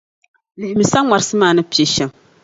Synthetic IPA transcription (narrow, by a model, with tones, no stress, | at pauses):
lɨ˨hɪ˨mi˨sa˦ŋa˨ɾɨ˦sɨ˦maː˦˨nɨ˦pi˨e˨ʃɛ˦m